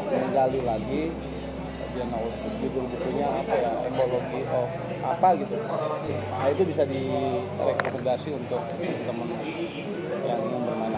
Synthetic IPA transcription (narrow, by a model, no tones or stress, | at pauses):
t̪ənəŋɡalilaɡḭ | bianauskudiudəlbuk̪uɲaːpajaḛkoloɡiʔɔ | apaɡit̪u | nait̪ubisadi | rɛkoməndasiunt̪ʊk̚əmənt̪əmən | jaŋiambərmana